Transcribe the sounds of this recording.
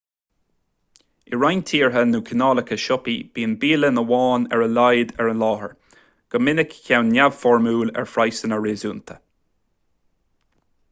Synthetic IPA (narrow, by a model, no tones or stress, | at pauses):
ɪɹajnt̪ʰiːɹɦənuːkʰənɑːləkʰəʃɔpib̥iːənbiːlənəwɑːnɛ̰ɹəlajd̪ɛɹənlɑːhə̰ɹ | ɡ̥əmɪnəkçawnːav̥fɔɹmuːlɛ̰ɹfɹajsənəɹeːzuːnt̪ʰə̥